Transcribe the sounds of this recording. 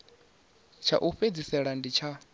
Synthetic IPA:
t͡ʃʰa̰ʔuɸed͡zisɛɺandit͡ʃʰa

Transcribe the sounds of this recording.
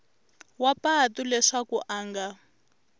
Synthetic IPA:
wapatulɛʂakuʔaːŋɡa

